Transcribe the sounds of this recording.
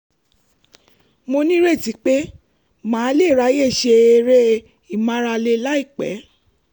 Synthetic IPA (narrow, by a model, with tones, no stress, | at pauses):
mo˧nĩ˦ɾe˦˨ti˨˦k͡pe˦ | mãː˨˦le˦˨ɾa˨˦je˦˨ʃe˧e˧ɾe˦ | i˦˨mã˦ɾa˧le˧˦la˦i˦˨k͡pɛ̰˨˦